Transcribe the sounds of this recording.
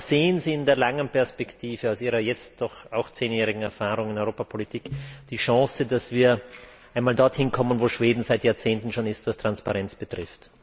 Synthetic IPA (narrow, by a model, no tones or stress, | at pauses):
z̥eːənziːɪndeːɐlaŋənpɛɐspɛktʰiːv̥əaʊsʔiːʁɐjɛt͡st̚d̥ɔχaʊxt͡seːnjɛːʁɪɡŋ̩ɛɐfaːʁʊŋɪnɔʏʁoːpapʰolitʰiːkd̥iːʃɑ̃ːsədasv̥iːɐʔaɪnmaːldɔɐthɪnkʰɔmənvoːʃv̥eːdn̩zaɪtjaɐt͡seːntn̩ʃoːnɪstv̥astʁ̥anspaʁɛnt͡sb̥ətʁ̥ɪft